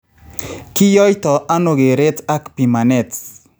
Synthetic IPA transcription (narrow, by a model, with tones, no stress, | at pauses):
kɪ˦jɔ˦jt̪ɔ˨ʔa˦no˨ɡe˨ɾe˦ta˦kpi˨ma˨nɛ˨t